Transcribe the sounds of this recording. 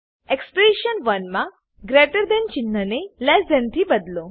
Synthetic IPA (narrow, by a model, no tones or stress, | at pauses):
ekspəɖiʃənʋənmã | ɡɾeʈəɾd̪ent͡ʃɪnːənelɛsd̪ẽnt̪ʰibəd̪lo